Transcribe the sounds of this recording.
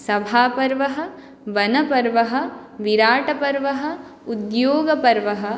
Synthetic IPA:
sɐbʱaːpɐɾʋɐɦɐ̆ | ʋɐnɐpɐɾʋɐɦɐ̆ | ʋiɾaːʈɐpɐɾʋɐɦɐ̆ | ud̪joːɡɐpɐɾʋɐɦɐ̆

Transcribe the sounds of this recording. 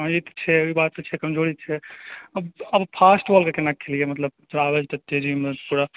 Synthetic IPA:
it̪t͡ʃʰɛoibaːt̪̚pɐt͡ʃʰɛkɐmd͡ʒoːɽit̪̚t͡ʃʰɛɐbɐbpʰaːsʈʋolkekenakʰːelijemɐt̪ləb̚t̪ɾaːʋed͡ʒt̪ɐt̪ːed͡ʒimpuɾa

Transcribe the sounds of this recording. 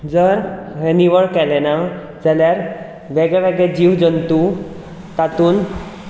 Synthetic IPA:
d͡zəɾɦeniʋəɭkɛlɛna | d͡zaljaɾ | ʋɛɡɭɛʋɛɡɛd͡ʑiʋd͡zənt̪u | t̪at̪uːn

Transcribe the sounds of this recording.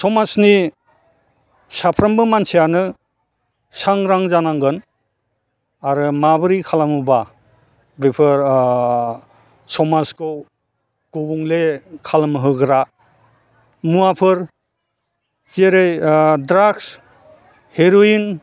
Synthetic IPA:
sɔmasni | sapʰɾambɯmansijanɯ | saŋɾaŋzanaŋɡɯn | aɾɯmabɯɾikʰalamuba | bepʰɯɾ | sɔmaskʰow | ɡ̥ubuŋlekʰalamɦɯɡɾa | muapʰɯɾ | zeɾɯjdɾaks | heɾoin

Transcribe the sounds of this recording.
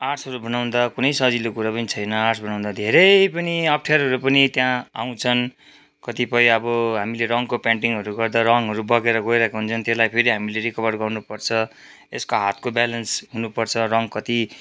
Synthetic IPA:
asʰʌɾubʱʌnaw̃nd̪akunʌjsʌd͡zilokuɾapʌnit͡sʰʌjnʌarsʰbʱʌnaw̃nd̪ad̪ʱeɾʌpʌniʌp̚ʰʈʰjaɾɦʌɾupʌnit̪jãa̰w̃t͡sʰʌn | kʌt̪ipʌjʌbʌɦamileɾʌŋkopaɳʈiŋɦʌɾuɡʌrd̪aɾʌŋɦʌɾubʌɡeɾʌɡojɾʌkeɦunt͡sʰʌnt̪eslajpʰeɾiɦamileɾikʌβʌrɡʌrnupʌrt͡sʰʌ | eskoɦat̪̚kobalʌnsɦunupʌrt͡sʰʌrʌŋkʌt̪i

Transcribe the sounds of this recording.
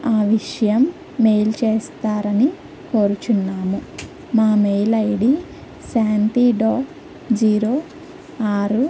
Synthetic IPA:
aːʋiʂɐjɐmː | ejlt͡ʃeːst̪aːɾɐni | koːɾut͡ʃunːaːmu | maːmejlɐjɽi | saːnʈiːɖoː | d͡ʒiːɾoː | aːɾu

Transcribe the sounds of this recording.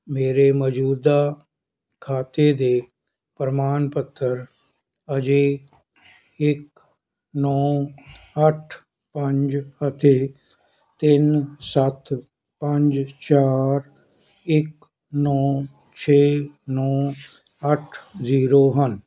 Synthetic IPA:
meːɾeːməd͡ʒuːd̪aː | kʰaːt̪eːd̪eː | pɾəmaːnpət̪ʰːəɾ | əd͡ʒeː | ɪk | nɔː | əʈʰ | pəɲd͡ʒət̪ʰeː | t̪ɪnsət̪ | pəɲd͡ʒt͡ʃaːɾ | ɪk | nɔː | t͡ʃʰeːnɔː | əʈʰziːɾoːɦən

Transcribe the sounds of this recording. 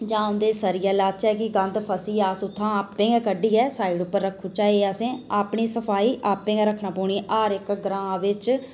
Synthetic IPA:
d͡ʒãːʊ̃nd̪eːsəɾijaːlaːt͡ʃɛːkɪɡə̃nd̪pʰəsiːaːsʊt̪ʰːãːaːpːẽːɛkəɖiːɛːsaːɪɽʊpːəɾːəkʰːũːt͡ʃaːeːaːsẽːaːpɳiːsəpʰaːiːʔaːpːẽːɡɛɾəkʰɳãːpoːɳ̃iːʔaːɾɪkɡɾãːʋɪt͡ʃ

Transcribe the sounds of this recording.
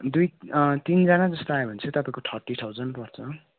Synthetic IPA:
d̪ujt̪ind͡zanad͡zʌst̪oaebʱʌnt͡sʰʌt̪ʌpaĩkoʈʰʌrʈit̪ʰawd͡zʌnpʌrt͡sʰʌ

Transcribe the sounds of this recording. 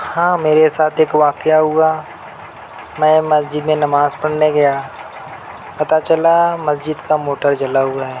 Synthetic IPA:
hãːmeːɾesaːt̪ʰeːkʋaːkeaɦʊa | mɛ̃ːmɐsd͡ʒɪd̪mẽnɐmaːzpɐɽ̤neɡɐja | pɐt̪at͡ʃɐlamɐsd͡ʒɪd̪kamoːʈəɾd͡ʒɐlaɦʊaɦɛː

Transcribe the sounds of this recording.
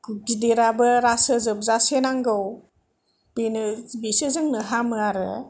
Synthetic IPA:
kuɡideɾabɯɾasɯzɯb̚zasenaŋɡɯw | b̥enɯbesɯzɯŋnɯɦamɯaɾɯ̰

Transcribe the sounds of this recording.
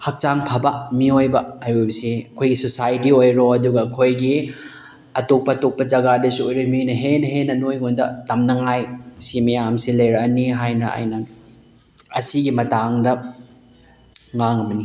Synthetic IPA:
hɐk̚t͡ʃaŋpʰɐbɐmiojbɐajojbɐsiɐkʰojɡisosajtiojɾoɐduɡɐkʰojɡi | ɐtok̚pɐtok̚pɐd͡ʒɐɡadɐsuojɾominɐɦenɐɦenɐnojŋondɐ̰tɐmnɐŋajsimɐjamsilɐjɾɐniɦajnɐa̰jnɐ | ɐsiɡimɐtaŋdɐ | ŋaŋɐmɐni

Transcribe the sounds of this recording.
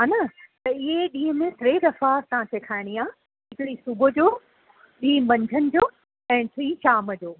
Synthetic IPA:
ɦanɐt̪ɐɪɦeɗĩːɦəmẽt̪ɾeːd̪ɐfaːt̪ɐɦãt͡ɕʰeːkʰaːɪɽ̃ijaː | ɦɪkɽisʊbʱʊd͡ʑoː | ɗĩːbɐ̃ɲd͡ʑʱənɪ̆d͡ʑoː | ɛ̃ːt̪ʰɾiːʃaːməd͡ʑoː

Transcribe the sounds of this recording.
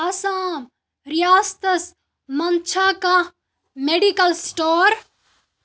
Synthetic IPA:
ɐsaːm | ɾijaːst̪ɐs | mɐnt͡ʃʰaka | meɖikɐlsʈoːɾ

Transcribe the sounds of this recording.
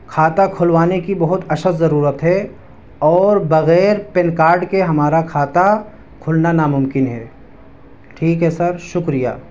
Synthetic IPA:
kʰaːt̪akʰʊlʋaːnekibɐɦʊt̪ɐʃət̪zɐɾuːɾət̪ɦɛ | ɔːɾbɐɣɛːɾpenkaːɾɖkeɦɐmaːɾakʰaːt̪a | kʰʊlnanamʊ̃mkɪnɦɛː | ʈʰiːkɦɛsɐɾʃʊkɾija̰ː

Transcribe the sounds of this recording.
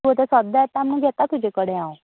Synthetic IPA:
ot̪esəd̪aɛt̪ːamnũɡʱɛt̪at̪ud͡ʑekəɽeão

